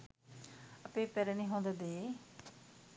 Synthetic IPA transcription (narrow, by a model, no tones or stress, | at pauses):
əpeːpɛɾenĩːɦõːnd̪ed̪eː